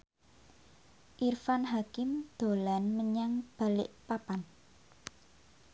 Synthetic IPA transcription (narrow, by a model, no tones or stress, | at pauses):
ʔirfanɦakɪmd̪̥o̤lanməɲaŋb̥a̤lɪ̰ʔpapan